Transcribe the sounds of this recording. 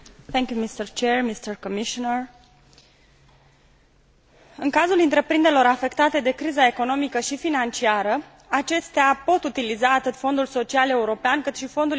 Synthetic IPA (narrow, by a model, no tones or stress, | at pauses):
θɛŋkʲjumist̪ərt͡ʃermist̪ərkomiʃonər | ɨŋkazulɨnt̪ɾe̞pɾind̪eɾelo̞ɾafe̞kt̪at̪e̞d̪e̞kɾizae̞ko̞no̞mikəʃifinant͡ʃiaɾə | at͡ʃe̞st̪eapo̞t̪ut̪ilizaːt̪ɨt̪fo̞nd̪ulso̞t͡ʃiale̞uɾo̞peankɨt̪ʃifo̞nd̪ul